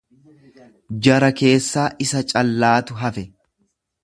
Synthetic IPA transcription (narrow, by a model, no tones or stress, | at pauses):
d͡ʒɐɾɐke̞ːsːaːʔɪsɐt͡ʃʼɐlːaːt̪ʊɦɐfɛ